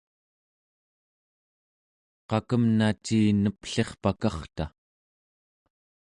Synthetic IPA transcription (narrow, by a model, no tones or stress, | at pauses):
qɑkəmnat͡ʃiːnəpɬe̞χpakɑχt̪a